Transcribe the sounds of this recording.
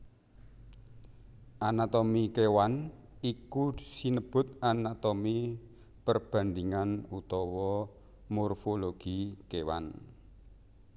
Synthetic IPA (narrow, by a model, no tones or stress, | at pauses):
ʔanat̪omikewan | ikusinəb̥ʊ̤t̪̚anat̪omi | pərb̥a̤nd̪iŋanut̪ɔwɔ | mɔrfoloɡ̥ikewa̰n